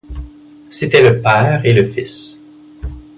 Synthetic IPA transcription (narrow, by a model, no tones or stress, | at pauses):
set̪ɛləpɛːʁeləfis